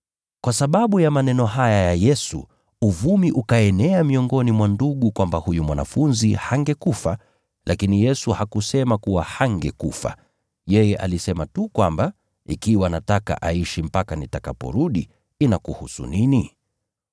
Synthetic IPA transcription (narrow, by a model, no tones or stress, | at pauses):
kwʔasaɓaɓujamanɛnɔɦajajajɛsṵ | uvumiʔukaɛnɛamiɔŋɡɔnimwanduɠukwambahujumwana̰funzihaŋɡɛkufa | lʔakinijɛsuhakusɛmakuwahaŋɡɛkufa̰ | jɛjɛʔa̰lisɛmatukwamba | ikiwanataka̰ʔaiʃim̩pakanitakapɔ̰ɾuɗi | inakuhusṵnini